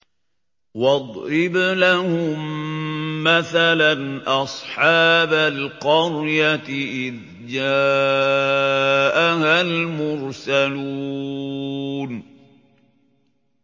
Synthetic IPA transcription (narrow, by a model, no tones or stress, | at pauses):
wɑd̪ˤɾɪblahʊmː | aθalanʔɑsˤħɑːbalqɑɾˤjat̪ɪʔɪð | d͡ʒaː | ʔahalmʊɾsalu | n